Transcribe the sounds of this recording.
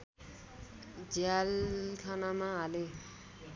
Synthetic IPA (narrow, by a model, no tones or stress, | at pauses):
d͡ʑealkʰananaːle